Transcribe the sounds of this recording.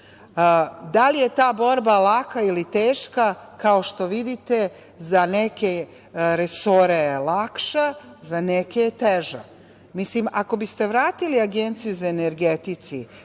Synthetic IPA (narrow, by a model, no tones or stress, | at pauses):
d̪alije̞t̪aːbo̞ɾbalakailit̪eːʃkakao̞ʃt̪o̞ʋid̪it̪e̞ | zaneke | ɾeso̞ɾelˠakʃazaneket̪eʒa̰ | mislimako̞bist̪e̞ʋɾaːt̪iliaɡe̞nt̪sijuzaeneɾɡet̪it̪si